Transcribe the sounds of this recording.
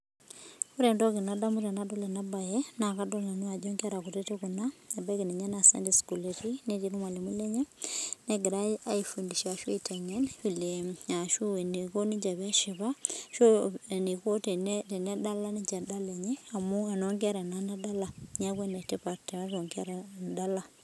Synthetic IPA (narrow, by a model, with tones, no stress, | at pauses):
ku˦ɾe˨ndɔ˦ke˨nada˦mu˦ta˨na˦dɔ˦lɛ˨na˦ba˨jɛna˨ka˦dɔ˦ɲa˨n˦a˨d͡ʒɔŋɡa˦ɾa˨kute˦te˦kuna˦e˨ba˦ke˨ne˨ɲa˦na˨sɛ̰˦ndisku˨leti˦ne˦ti˦ɾu˦ma˨le˨mu˦lɛ˦ɲɛ˦nɛɡe˨ɾaa˦ifu˨ndi˨ʃa˨ʃwe˦itʰa˨ɲɛnβi˨lea˨ʃu˦e˨ni˨ko˦ni˦ɲd͡ʒa˨βja˦ʃɪ˨βa˦ʃo˦ni˨ko˦tnte˨nɛ˦da˦la˦nid͡ʒa˨da˦lɛ˨ɲɛ˦a˨mu˦a˨noŋɡi˦a˦ɾa˨na˦na˦da˦la˨ɲa˦kwe˦na˨te˦pa˨ta˨˦βɔ˨ŋɡa˦ɾa˨da˦la˦